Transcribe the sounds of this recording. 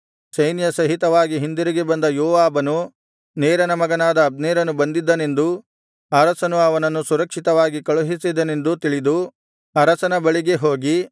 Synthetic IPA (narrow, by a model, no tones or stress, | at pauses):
sɐjnjɐsɐɦit̪ɐʋaːɡiɦind̪iɾiɡebɐnd̪ɐjɔːʋaːbɐnu | neːɾɐnɐmɐɡɐnaːd̪ɐːb̚neːɾɐnubɐnd̪id̪ːɐne̞nd̪u | ɐɾɐsɐnuɐʋɐnɐnːusuɾɐkʂit̪ɐʋaːɡikɐɭuɦisid̪ɐne̞nd̪ut̪iɭid̪u | ɐɾɐsɐnɐbɐɭiɡe̞ɦo̞ːɡi